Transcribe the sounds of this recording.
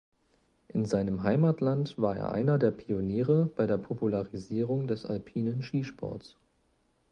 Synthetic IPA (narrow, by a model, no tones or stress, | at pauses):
ʔɪnzaɪnəmɦaɪmatʰlantv̥aːɐḛːɐʔa̰ɪnɐdeːɐpʰioniːʁəb̥aɪɾdeːɐpʰopulaʁiziːʁ̞ʊŋdɛsa̰lpʰiːnənʃiːʃpʰɔ̰ɐts